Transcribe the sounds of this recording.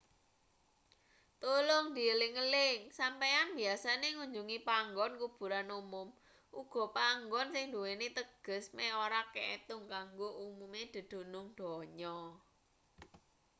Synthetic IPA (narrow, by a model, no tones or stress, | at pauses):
t̪ulʊŋd̪̥i̤əlɪŋəlɪŋsampejanb̥iasaneŋuɲd͡ʒuŋipaŋɡɔnkub̥ṳɾanumʊm | ʔuɡ̥ɔ̤paŋɡɔnsɪŋd̪uwenet̪əɡ̥ə̤smɛoɾakeet̪ʊŋkaŋɡoʔumumed̪̥ə̤d̪̥o̤nʊŋɖ̪̥ɔ̤ɲɔ